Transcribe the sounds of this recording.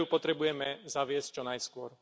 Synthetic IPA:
upɔt̪ɾɛbujɛmɛzaʋɪɛsc̚t͡ʃɔnajskʊɔɾ

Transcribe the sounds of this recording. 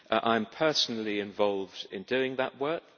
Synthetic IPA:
ʔʔãɪ̃mpʰɜˑsn̩l̩ˠiɪ̃ɱvɒlˠvdɪ̰̃ndʉɪ̃ŋðə̰ʔwɜˑ˞k

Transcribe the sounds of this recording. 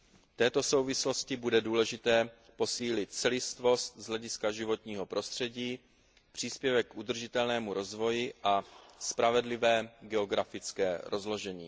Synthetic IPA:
ft̪ɛːt̪o̞so̞wvɪslo̞scɪbudɛduːlɛʒɪt̪ɛː | po̞siːlɪt̪̚t͡sɛlɪst̪vo̞st̪̚zlɛɟɪskaʒɪvo̞t̪ɲiːɦo̞pɾo̞st̪r̝̥ɛɟiː | pr̝̥iːspjɛvɛkːʔud̪r̩ʒɪt̪ɛlnɛːmuɾo̞zvo̞jɪʔaspɾavɛdlɪvɛːɡɛo̞ɡɾafɪt͡skɛːɾo̞zlo̞ʒɛɲḭː

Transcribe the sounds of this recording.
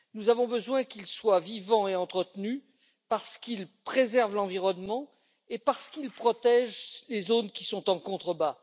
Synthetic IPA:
nuzavɔ̃bəzwɛ̃kilswavivɑ̃eɑ̃t̪χət̪ny | paʁsə̥kilpχezɛʁvlɑ̃viʁɔnmɑ̃ | epaʁsə̥kilpχɔt̪ɛʒlezonkʲisɔ̃t̪ɑ̃kɔ̃t̪χəba

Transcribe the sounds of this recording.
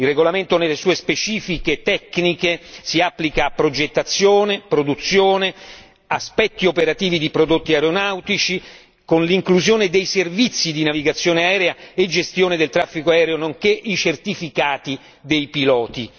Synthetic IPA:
ilrːeɡolament̪onelːesuːespet͡ʃiːfiket̪ɛkːnikesiapːlikaːpːɾod͡ʒet̪ːat̪sːjoːnepɾod̪ut̪sːjoːne | aspɛt̪ːiopeɾat̪iːvid̪ipɾod̪ot̪ːiaɾonawt̪it͡ʃi | konliŋkluzjoːned̪ejservit̪sːid̪inaviɡat̪sːjoːneaɛːɾeaed͡ʒest̪joːned̪elt̪ɾafːikoaɛːɾeonoŋkeʔit͡ʃert̪ifikaːt̪i | d̪ejpilɔːt̪i

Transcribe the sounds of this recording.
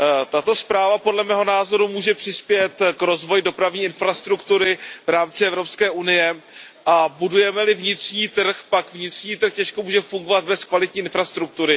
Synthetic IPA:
t̪at̪o̞spɾaːvapo̞dlɛmɛːɦonaːzo̞ɾumuːʒɛpr̥ɪspjɛt̪kɾo̞zvo̞jdo̞pɾavɲiːɪnfɾast̪ɾukt̪uɾɪvɾaːmt͡sɪɛvɾo̞pskɛːʔunɪjɛ | ʔabudujɛmɛlɪvɲɪt̪r̥ɲiːt̪r̩xpakvɲɪt̪r̥ɲiːt̪r̩xcɛʃkomuːʒɛfuŋɡo̞vad̪̚bɛskvalɪt̪ɲiːʔɪnfɾast̪ɾuk̚t̪uɾɪ

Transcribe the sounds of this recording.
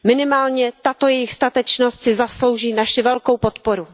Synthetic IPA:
mɪnɪmaːlɲɛt̪at̪o̞jɛjɪxst̪at̪ɛt͡ʃnost̪sɪzaslo̞wʒiːnaʃɪvɛlkowpot̪poɾu

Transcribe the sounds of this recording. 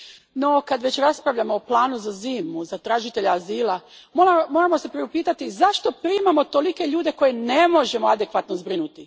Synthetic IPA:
no̞kad̪ʋe̞t͡ɕɾaspɾaʋʎamo̞ːplˠaːnuzaziːmuzat̪ɾaːʒit̪e̞ʎaaziːlˠamoamo̞ːɾamo̞se̞pɾeupiːt̪at̪izaʃt̪o̞pɾiːmamo̞t̪o̞like̞ʎuːd̪e̞ko̞jene̞mo̞ʒe̞moad̪e̞kʋat̪nozbɾinut̪i

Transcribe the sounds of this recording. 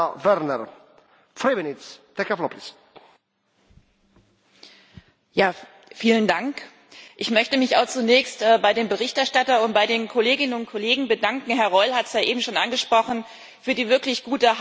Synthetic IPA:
vɛɾnɛɾ | fɾivɪnitst̪ɛkɛflɔpis | jaː | fiːləndaŋk | ʔɪçmœçtəmɪçaʊxt͡sunɛːçstʔɛːbaɪdeːmbəʁɪçtɛɐʃtatɐʊnt̚b̥aɪdeːnkʰoleːɡɪnənʊnt̚kʰoleːɡŋ̩bədaŋkŋ̩ɦɛɐʁɔʏlhatsjaːʔeːbm̩ʃoːnʔanɡəʃpʁ̥ɔχn̩ | fyːɐdiːvɪɐklɪçɡ̥uːtə

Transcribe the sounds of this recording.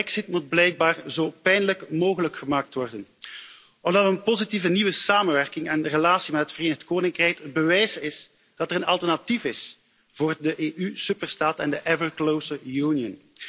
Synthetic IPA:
ɛksɪtmud̚blɛjk̚baːrzoːpɛjnələkmoːɣələkxəmaːk̚tʋɔrdən | ɔmdɑtənpozitivəniʋəsaːmənʋɛrkɪŋɛnrəlaːsimɛtɦətfəreːnəxtkoːnɪŋkrɛjkəbəʋɛjsɪs | d̥ɑtɛɾənɑlˠtərnatifɪs | v̥oːrdəʔeːʔysypərstaːtɛndəʔɛvəɹklowsəɹjunijən

